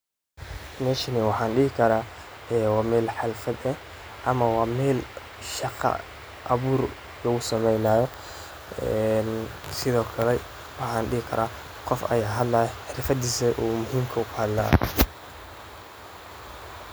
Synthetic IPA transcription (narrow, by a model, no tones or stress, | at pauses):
mɛːʃɪnɪwɑħɑːnɖɪhɪkʰɐɾaːɛːwɑːmɛːlħɑlfɐd̪ɛh | ʔɐmɐwɑːmɛːl | ʃɑqɑ̰ | ʔɐβuːr | lɐɣʊsɐmɛjnaːjɔ | ɛnsɪðɔːkʰɐlɛ | wɑħɑːnɖɪhɪkʰɐ̰ɾaː | qɔfɐ̰jaːɦɐd̪laːjħɪɾfɐd̪iːsɐʔuːmʊɦiːmkʰɐʊkʰhɐd̪la̰ː